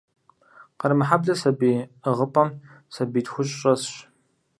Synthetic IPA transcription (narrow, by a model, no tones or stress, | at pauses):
qɐɾmɨħabɮɐsɐbiːəʁəpʼɐm | sɐbiːtxʷʊɕʼɕʼɐsɕ